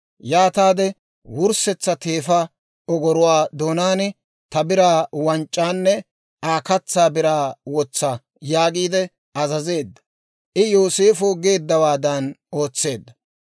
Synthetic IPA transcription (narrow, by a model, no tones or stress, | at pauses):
jaːt̪aːd̪ɛ | wʊɾsɛt͡sːɐt̪e̞ːfɐ | ɔɡɔɾɔwaːd̪oːnaːnɪ | t̪ɐbɪɾaːwɐnt͡ʃʼːaːnːɛ | ʔaːkɐt͡sːaːbɪɾaːwɔt͡sːa | jaːɡiːd̪ɛ | ɐzɐze̞ːd̪ːɐ̥ | ʔɪjo̞ːse̞ːfoɡe̞ːd̪ːɐwaːd̪ɐno̞ːt͡sːe̞ːd̪ːɐ